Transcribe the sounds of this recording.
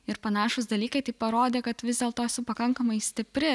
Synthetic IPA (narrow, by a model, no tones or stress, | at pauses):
ɪɾpɐnɑːʃʊsd̪ɐlʲiːkɐɪt̪ɐɪpɐɾoːd̪ʲeːkɐt̪ʋʲɪzd̪ʲeːlˠt̪oːɛsʊpɐkɐŋkɐmɐɪsʲt̪ʲɪpʲɾʲɪ